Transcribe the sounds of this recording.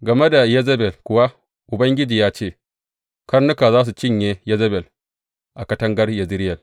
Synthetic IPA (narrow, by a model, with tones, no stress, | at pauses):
ɡɐ˨me˦da˨jɛ˦zɐ˦bɛ˨lkʷʊ˨wa˦ | ʔʊ˨bɐ˦ŋɡʲɪ˦d͡ʒiː˨jaː˦t͡ʃeː˦˨ | kɐ˦rnʊ˦ka˨zaː˦s̬u˨t͡ʃɪ˦˨ɲje˨jɛ˦zɐ˦bɛ˨l | ʔa˨kɐ˦tɐ˦ŋɡɐ˦rjɐ˨zɪ˦ɾɪ˦jɐ˨l